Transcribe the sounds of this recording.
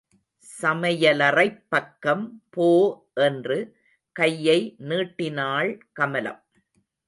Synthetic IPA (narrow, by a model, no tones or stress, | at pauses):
sɐmɐjɐlɐrɐɪpːɐkːɐmpoː | ʔɛndrɯ | kɐjːɐɪniːʈːɪnaːɭkɐmɐlɐ̰m